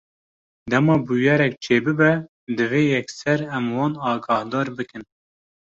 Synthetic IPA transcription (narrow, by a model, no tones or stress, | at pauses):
d̪ɛmɑːbujɛɾɛk̚t͡ʃʰeːbɨbɛ | d̪ɨveːjɛksɛɾɛmwɑːnɑːɡɑːhd̪ɑːɾbɨkɨn